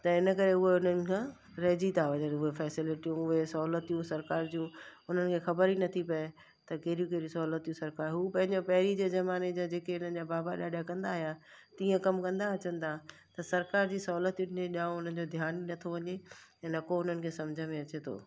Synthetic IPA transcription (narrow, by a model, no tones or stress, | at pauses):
t̪ɐɪnə̆kɐɾeʊɦeʊnənɪ̆kʰãː | ɾɐɦd͡ʑit̪ʰaʋɐd͡ʑət̪ʊɦefɛːsɪlɪʈijũʊɦesɐɦuːlət̪ijũsɐɾkaːɾd͡ʑũʊn̤ənɪ̆kʰeːxɐbəɾinɐt̪ʰipɐe | t̪ɐkeːɾijũkeːɾiũsɐɦuːlət̪jũsɐɾkaːɾɦuːpɐ̃ɦɪ̃ɲd͡ʑopɐɦɾid͡ʑeːzɐmaːned͡ʑad͡ʑeːkeʊn̤ən̆d͡ʑabaːbaɗaːɗakɐ̃nd̪aːɦijat̪ĩːə̃kɐmkɐ̃nd̪aɐt͡ɕə̃nɪ̆t̪ʰa | t̪ɐsɐɾkaːɾd͡ʑiːsɐɦuːlət̪ũɗɪẽɗãːʊn̤ənɪ̆d͡ʑod̪ʱjaːninɐt̪ʰoʋɐɲeɛ̃ːnɐkoʊn̤ənɪ̆kʰeːsɐmd͡ʑʱəmẽɐt͡ɕet̪ʰo̰ː